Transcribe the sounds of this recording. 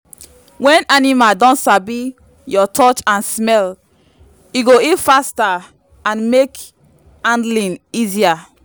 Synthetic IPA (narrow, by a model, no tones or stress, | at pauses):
wɛ̃nanimaldɔ̃ntsabi | jɔtʰɔt͡ʃãnsmɛl | iɡoitfasta | ãnmek | ãndlĩnizia